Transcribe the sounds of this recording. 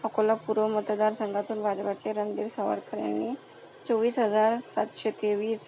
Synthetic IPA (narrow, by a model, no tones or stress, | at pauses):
əkolapuɾʋəmət̪d̪aɾsəŋɡʱat̪uːnbʱad͡ʑʋat͡ɕeɾənd̪iɾsəʋa̰ɾkəɾja̰nːiː | t͡sɔʋiːsɦəd͡zaɾsat̪ɕet̪eʋiːs